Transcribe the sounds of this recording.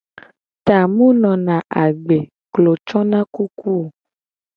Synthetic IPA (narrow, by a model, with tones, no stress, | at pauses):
t̪a˨mũ˦nɔ̃˨nã˨ʔa˨ɡ͡be˨ | klo˨t͡ʃɔ̃˦nã˦ku˦ku˦o˨